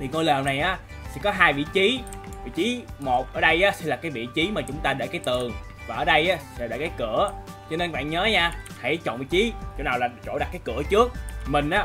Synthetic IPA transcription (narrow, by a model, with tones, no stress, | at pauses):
t̪ʰi˨˩ŋo˧jləː˨˩wna˨˩jʔaː˨˦ | sɛ̰˧˥kɔ˨˦ɦaː˧jvḭ˧˨t͡ɕi˨˦vḭ˧˥t͡ɕi˨˦mo˨˩t̚ʔəː˧˩ɗə˧jʔaː˨˦sɛ˧˥laː˨˩kaː˨˦jvḭ˧˨t͡ɕi˨˦maː˨˩t͡ɕʊ˨˦ŋ͡mt̪aː˧ɗḛ˧˩kaː˨˦jt̪ɨ˨˩əŋ | vaː˨˩ʔəː˧˦ɗə˧jʔaː˨˦sɛ̰˧˥ɗə̰˧˨˩kaː˨˦jkɨ˧˩ət͡ɕɔ˧ne˧nkɓa̰ː˧˨nɲəː˨˦ɲaː˧ha˧˩jt͡ɕo̰˧˨nvḭ˧˨t͡ɕi˨˦t͡ɕo̰˧˩naː˨˩wlaː˨˩t͡ɕo̰˧˩ɗa˨˩t̚kaː˨˦jkɨ˧˩ət͡ɕɨ˦˥ək̚mï˨˩ŋ̟ʔaː˨˦